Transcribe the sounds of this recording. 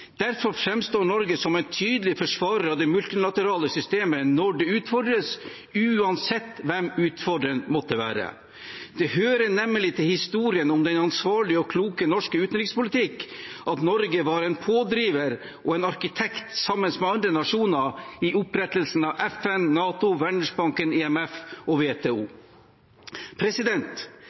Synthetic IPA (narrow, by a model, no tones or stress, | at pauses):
d̪̥æɾfɔɾfɾɛmst̪oːɳɔɾɡəsɔmɛnt̪ʰyːd̪əlɪfɔʂʋɑːɾəɾɑd̪ɛmʉlt̪ɪlɑt̪əɾɑːləsʏst̪eːmənɔɖɛʉːt̪fɔɖɾəs | ʉːɑnsɛt̪ːʋɛmʉːt̪fɔɖɾənmɔt̪ːəʋæ̰ːɾə̰ | d̪̥ɛhøːɾənɛmːəlɪt̪ʰɪlhɪst̪uːɾɪənʊmd̪ɛnɑnsʋɑːɭɪɔkʰluːkənɔʂkəʉːt̪nɾɪkspʊlɪt̪ʰɪkːʔɑt̪nɔɾɡəʋɑɾɛnpʰoːd̪ɾiːʋəɾ | ɔɛnɑɾkɪt̪ʰɛkt̪sɑmːənsmɛɑnd̪ɾənɑʂuːnɑɪʔʊpɾɛt̪əlsn̩ɑʋɛfɛnːɑːt̪ʊʋæɳəʂbɑŋkənɛɛmɛfɔʋeːt̪ʰeːuː | pʰɾɛsɪd̪ɛnt̪